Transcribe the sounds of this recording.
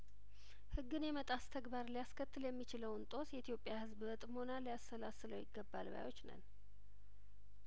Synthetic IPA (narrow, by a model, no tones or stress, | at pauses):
hɨɡːɨnjɛmət̪ʼast̪ʰəɡbaɾlijaskʰət̪ʰːɨljɛmːit͡ʃɪləwnt̪ʼo̞sjɛit̪jo̞pʼijahɨzbɨβət̪ʼmho̞nalijast̪əlasɨləwjɪɡːəbːa̰lba̰jwo̞t͡ʃːnə̰n